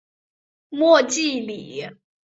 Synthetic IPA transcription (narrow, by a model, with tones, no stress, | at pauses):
mwɔ˥˧t͡ɕi˥˩li˨˩˦